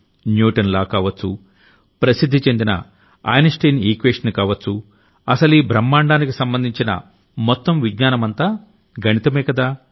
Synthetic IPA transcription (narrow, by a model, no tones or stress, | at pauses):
njuːʈɐnlaːkaːʋɐt͡sːṵ | pɾɐsid̪ʱːit͡ʃe̞nd̪inɐ̰ | a̰ːjnɐsʈejniːkʋeːʂɐnkaːʋɐt͡sːu | ɐsɐlibɾɐmːaːɳɖaːnikisɐmbɐnd̪ʱiɲt͡ʃinɐ̰ | mɔt̪ːɐmʋiɡɲaːnɐmɐnt̪aː | ɡɐnit̪ɐmɛːkɐd̪aː